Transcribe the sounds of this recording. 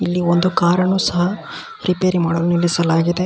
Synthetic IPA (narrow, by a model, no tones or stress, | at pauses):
ilːiond̪ukaːɾɐɳuːsɐɦɐ | ɾipeːɾimaːɽoːlnilːisɐlaːɡid̪e̞